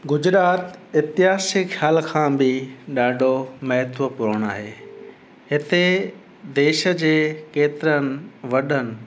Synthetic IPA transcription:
ɡʊd͡ʑɾaːt̪ɪt̪ɪɦaːsɪxʰjaːlkʰãːbɪɗaːɖʱomɐɦɪt̪ʰʋəpʊɾəɽ̃aːɦeː | hɪt̪e | d̪eːʃə̆d͡ʑeːkeːt̪ɪɾənɪ̆ʋɐɗənɪ̆

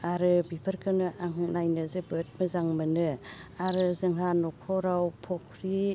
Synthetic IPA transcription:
aɾɯbipʰəɾkʰɯnɯʔaŋɦɯnajnɯzɯbɯt̚mɯzaŋmɯnɯaɾɯzɯŋɦanɔkʰɔɾawpʰɔkʰɾi

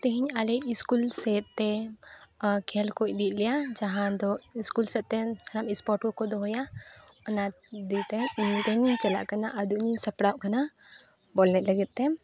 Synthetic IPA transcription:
t̪ɛɦiɲalɛiskulsɛt̪̚t̪ːɛ | kʰɛlkoc̚ˀd̪it̪̚ˀlɛjad͡ʒaɦãd̪ɔiskulsɛt̪̚t̪ɛsɐɾamispɔʈɔkɔd̪ɔɦɔja | ɔna | d̪it̪ɛinit̪ɛɲiɲt͡ʃɛla̰ʔkanaʔəd̪uʔɲiɲsɐpɽawʔkana | bɔlnɛt̪lɐɡɛt̪̚t̪ɛ

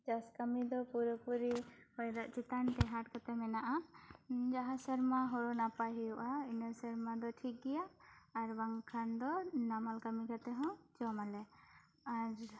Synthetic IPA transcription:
d͡ʒaskamid̪ɔpuɾɔpuɾihɔjd̪aʔt͡ʃit̪ant̪ɛɦaʈkat̪ɛmɛnaʔa | d͡ʒaɦãsɛɾmaɦɔɾɔnapaɦijɔʔainəsɛɾmad̪ɔʈʰik̚ɡɛjaːɾbaŋkʰand̪ɔnamalkamikat̪ɛɦɔ̃d͡ʒɔamalɛ | aɾ

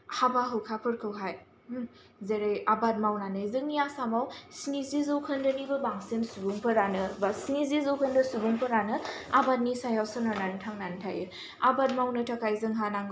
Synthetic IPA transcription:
habaɦɯwkʰapʰɯɾkʰɯwɦaj | zeɾajabat̚mawnanɯzɯŋijasamawsnizizɐwkʰəndɐnibɐbaŋsensubuŋpʰɯɾanɯbasnizizɐwkʰəndɐsubuŋpʰɯɾanɯabat̚nisajawsɯnaɾnantʰaŋnantʰa̰jɯ | abat̚mawnɯtʰakajzɯŋɦanaŋ

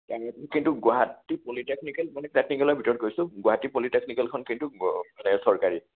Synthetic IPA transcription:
taɛtkintʊɡʊaɦatipolitek̚nikɛlmanɛtɛkniklɔjbʱitɔɹɔt̚koɹisʊɡʊaɦatipoliteknikɛlkʰɔnkintumanɛsɔɹkaɹi

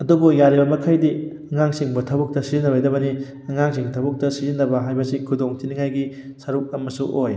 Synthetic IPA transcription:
ɐdubujaɾibɐmɐkʰajdi | ɐŋaŋsiŋbutʰɐbɐk̚tɐsizinːɐbajdɐbɐni | ɐŋaŋsiŋtʰɐbɐk̚tɐsizinːɐbɐɦajbɐsikʰudoŋtʰiniŋajɡi | sɐɾuk̚ɐmɐsuʔoj

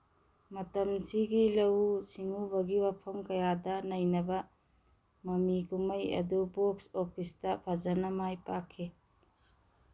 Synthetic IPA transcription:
mɐtɐmsiɡilɐwsiŋubɐɡiwapʰɐmkɐjadɐnɐjnɐbɐ | mɐmiɡumɐjɐ̰duboksopʰistɐpʰazɐnɐmajpakʰːe

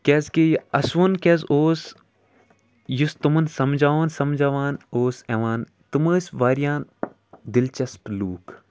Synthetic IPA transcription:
kʲɛːzkejɐsʋunkʲɛːzoːs | just̪umɐnsɐmd͡ʒaːʋaːnsɐmd͡ʒaːʋaːnoːsɛʋaːn | t̪ɨməːsʲʋaːɾjaːn | d̪ɪlt͡ʃɐspluːk

